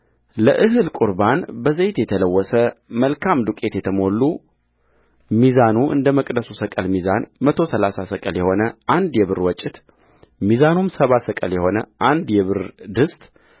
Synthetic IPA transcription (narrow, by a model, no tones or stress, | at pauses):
ləʔɨɦɨlkʼuɾbanbəzejt̪jɛt̪ʰələwːɔsəməlkʰamd̪ukʼe̞t̪jɛt̪ʰəmo̞lːu | mizanuʔɨ̰nd̪əməkʼd̪əsusəkʼəlmizanmət̪ʰo̞səlasasəkʼəljɛho̞nəʔand̪jɛβɨɾwɔt͡ʃʼːɪt̪ | mizanumsəβasəkʼə̰ljɛho̞nəʔand̪jɛβɨɾd̪ɨst̪ʼ